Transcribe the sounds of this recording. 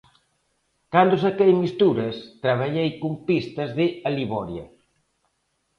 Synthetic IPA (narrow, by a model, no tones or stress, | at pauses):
kand̪osakejmist̪uɾɐst̪ɾɐβ̞aʎejkumpist̪ɐzðɪaliβɔɾjɐ